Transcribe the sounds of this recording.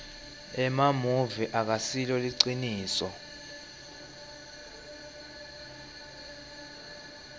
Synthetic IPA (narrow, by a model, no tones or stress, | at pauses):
ɛmamuviʔak̬asilɔliǀiniːsɔ